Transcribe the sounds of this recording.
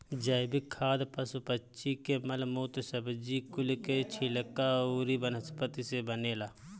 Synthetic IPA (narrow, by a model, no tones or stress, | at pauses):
d͡ʒəjbikʰːaːd̪pəsupətːt͡ʃikemɐlmoːt̪səbd͡ʒikʊlket͡ʃʰiləkːauːɾibənəspət̪isebəneːlaː